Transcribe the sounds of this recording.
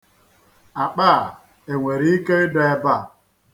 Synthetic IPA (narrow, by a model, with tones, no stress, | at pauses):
a˨k͡paː˦˨ | e˨ŋʷe˨ɾi˦i˦ke˦dɔ˦e˦ba˦˨